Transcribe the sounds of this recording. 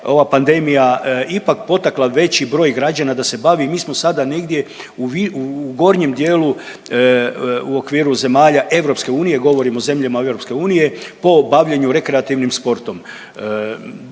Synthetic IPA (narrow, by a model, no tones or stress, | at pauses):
o̞ʋapand̪e̞mijaipak̚po̞t̪aklˠaʋe̞t͡ɕibɾo̞ːjɡɾad͡ʑanad̪ase̞baʋimiːsmo̞sad̪ane̞ɡd̪je̞ | uʋiuɡo̞ɾɲe̞md̪jeːlu | uo̞kʋiːɾuze̞maːʎaʔe̞ʋɾo̞pske̞uːnije̞ɡo̞ʋo̞ɾimo̞ze̞mʎamae̞vɾo̞pske̞uːnije̞po̞baʋʎeɲuɾe̞kɾeat̪iʋnimspo̞ɾt̪o̞m